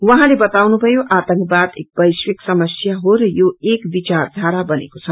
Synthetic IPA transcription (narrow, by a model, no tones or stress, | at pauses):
wʌɦãlebʌt̪awnubʱʌjoʔat̪əŋkbad̪ek̚bʌjswiksʌmʌsjaɦoɾʌjoekbit͡ʃard̪ʱaɾabʌnḛkot͡sʰʌ